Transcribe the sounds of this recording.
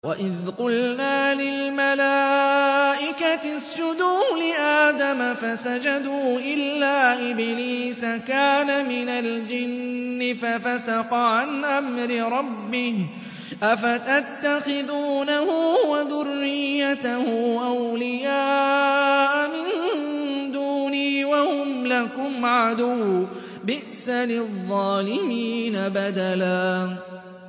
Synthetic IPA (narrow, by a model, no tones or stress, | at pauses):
wa̰ʔɪðqʊlnaːlɪlmala | ʔɪkaɪsd͡ʒʊd̪uːlɪʔaːd̪amafasad͡ʒad̪uːʔɪlːaːʔɪbniːsakaːnamɪnald͡ʒɪnːɪfafasɑqɑʕanʔamɾɪɾˤɑbːɪh | ʔafat̪at̪ːaxɪðuːnahʊwaðʊrːɪjːat̪ahʊʔawlɪjaː | ʔamɪn | d̪uːniːwahʊmlakʊmʕad̪ʊw | bɪʔsalɪðˤːɑːlɪmiːnabad̪alaː